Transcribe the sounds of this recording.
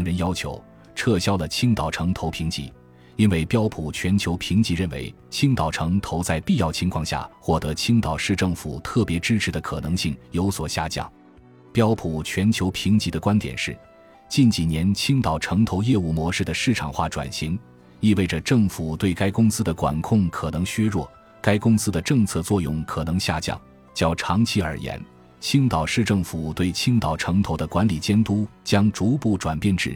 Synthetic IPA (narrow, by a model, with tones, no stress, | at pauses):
ŋɻə˧˥njɑ˥ʊt͡ɕʰjo̰˧˥ʊ | ʈ͡ʂʰɤ˥˩ɕjɑ˥ʊlə˨t͡ɕʰi˥ŋt̪ɑ˨˩ʊʈ͡ʂʰɤ˧˥ŋt̪ʰo˧˥ʊpʰi˧˥ŋt͡ɕḭ˧˥ | i˥nwe˥˩ɪpjɑ˥ʊpʰu˨˩t͡ɕʰɥɛ˧˥nt͡ɕʰjo˧˥ʊpʰi˧˥ŋt͡ɕi˧˥ɻə˥˩nwḛ˧˥ɪ | t͡ɕʰi˥ŋt̪ɑ˨˩ʊʈ͡ʂʰɤ˧˥ŋt̪ʰo˧˥ʊt͡sa˥˧ɪpi˥˧jɑ˥˩ʊt͡ɕʰi˧˥ŋkʰwɑ˥˧ŋɕja̰˥˩xwɔ˥˩t̪ɤ˧˥t͡ɕʰi˥ŋt̪ɑ˨˩ʊʂɻ̩˥˧ʈ͡ʂɤ˥˩ŋfṵ˨˩t̪ʰɤ˥˩pjɛ˧˥ʈ͡ʂɻ̩˥ʈ͡ʂʰɻ̩˧˥d̪ə˧kʰɤ˨˩nɤ˧˥ŋɕi˥˩ŋjo˧˥ʊswɔ˨˩ɕja˥˧t͡ɕjɑ̰˥˩˦ŋ | pjɑ˥ʊpʰu˨˩t͡ɕʰɥɛ˧˥nt͡ɕʰjo˧˥ʊpʰi˧˥ŋt͡ɕi˧˥d̪ə˧kwa˥nt̪jɛ̰˨˩nʂɻ̩˥˩ | t͡ɕi˥˩nt͡ɕi˨˩njɛ˧˥nt͡ɕʰi˥ŋt̪ɑ˨˩ʊʈ͡ʂʰɤ˧˥ŋt̪ʰo˧˥ʊjɛ˥˧u˥˩mwɔ˧˥ʂɻ̩˥˩d̪ə˩ʂɻ̩˥˩ʈ͡ʂʰɑ̰˨˩ŋxwa̰˥˩ʈ͡ʂwa̰˨˩nɕi˧˥ŋ | i˥˧we˥˩ɪʈ͡ʂə˩ʈ͡ʂɤ˥˩ŋfu˨˩t̪we˥˩ɪka˥ɪkʊ˥ŋsɹ̩˥d̪ə˨kwa̰˨˩nkʰʊ˥˩ŋkʰɤ˨˩nɤ˧˥ŋɕɥɛ˥ɻwɔ˥˩ | ka˥ɪkʊ˥ŋsɹ̩˥d̪ə˨ʈ͡ʂɤ˥˧ŋt͡sʰɤ˥˧t͡swɔ˥˧jʊ̰˥˩ŋkʰɤ˨˩nɤ˧˥ŋɕja̰˥˧˩t͡ɕjɑ̰˥˩ŋ | t͡ɕjɑ˥ʊʈ͡ʂʰɑ˧˥ŋt͡ɕʰi˥ə˞˨˩jɛ̰˧˥n | t͡ɕʰi˥ŋt̪ɑ˨˩ʊʂɻ̩˥˧ʈ͡ʂɤ˥˩ŋfu˨˩t̪we˥˩ɪt͡ɕʰi˥ŋt̪ɑ˨˩ʊʈ͡ʂʰɤ˧˥ŋt̪ʰo˧˥ʊd̪ə˧kwa˧˥nli˨˩t͡ɕjɛ˥nt̪u˥t͡ɕjɑ˥ŋʈ͡ʂu˧˥pu˥˩ʈ͡ʂwa˨˩npjɛ˥˧nʈ͡ʂɻ̩˥˩˦